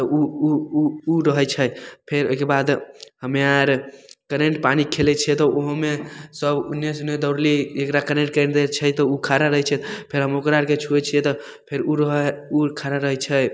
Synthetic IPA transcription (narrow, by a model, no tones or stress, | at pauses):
t̪ɔu | uɾəɦɛt͡ʃʰəjpʰeɾo̰ɦikebad̪ɦəmaɾkəɾeɳʈpanikʰelɛt͡ʃʰɛt̪ɔʔoɦmesəbṵnːesuned̪ɔɾliekɾakəɾeʈ̚kɾd̪et͡ʃʰɛt̪ɔukʰaɾaɾəɦɛt͡ʃʰɛt̪pʰeɾɦəmokɾaɾket͡ʃʰuɛt͡ʃʰijɛt̪ɔ | pʰeɾuɾəɦukʰaɾaɾəɦɛt͡ʃʰəj